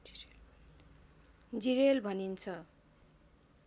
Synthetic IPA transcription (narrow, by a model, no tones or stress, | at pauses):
d͡ziɾelbʱʌnint͡sʰʌ